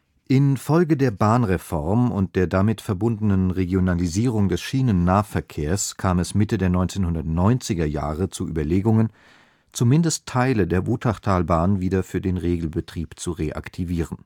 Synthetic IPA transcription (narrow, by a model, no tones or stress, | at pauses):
ʔɪnfɔlɡədeːɐbaːnʁefɔɐmʊ̰nt̚d̥eːɐdamɪtfɛɐbʊndənənʁeɡjonaliziːʁ̞ʊŋdɛsʃiːnənːaːɐfɛɐkʰeːɐskʰaːmɛsmɪtədeːɐnɔ̃ʏnt͡seːnhʊndɐtnɔʏnt͡sɪɡɐja̰ːʁət͡suʔy̰ːbɐleːɡʊŋən | t͡sumɪndəstʰːaɪlədeːɐʔuːtʰaχtʰaːlbaːnviːdɐfyːɐdeːnʁeːɡl̩bətʁ̥iːpt͡suʁeʔa̰ktʰiviːʁən